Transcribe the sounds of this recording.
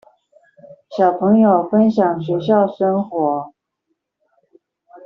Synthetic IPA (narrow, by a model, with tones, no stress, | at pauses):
ɕjɑ˨˩ʊpʰɤ˧˥ŋjo˨˩ʊfə˥nɕjɑ˨˩ŋɕɥɛ˧˥ɕjɑ˥˩ʊʂə˥nxwɔ˧˥